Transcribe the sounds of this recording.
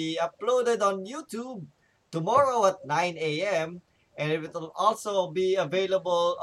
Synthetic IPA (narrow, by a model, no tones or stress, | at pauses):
iəplodədɔ̃njutʰjub̚ | tumɔɹoət̪̚nãj̃neɛ̃m | ɛ̃nɪt̚wɪtlɔlsobiəveləbəl